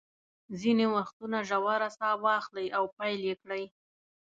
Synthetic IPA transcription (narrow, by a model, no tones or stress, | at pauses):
zinewaxt̪unaʒawaɾasɑwɑxlajʔawpajljekɽaj